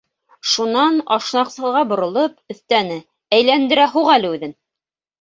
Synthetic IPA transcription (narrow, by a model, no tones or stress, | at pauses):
ʃunɑnɑʃnɑqsɤ̆ðʁɑbŏɾŏlˠɤpɵ̆θt̪ænɘ | æjlænd̪ɘ̆ɾæɦuʁælɘʉðɘn